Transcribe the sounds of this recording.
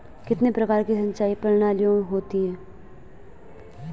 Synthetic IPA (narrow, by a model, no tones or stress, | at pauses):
kɪt̪nepɾɐkaːɾkisɐ̃ɲt͡ʃaːipɐɾñaːlijoːɽɦoːt̪iɦɛ̃ː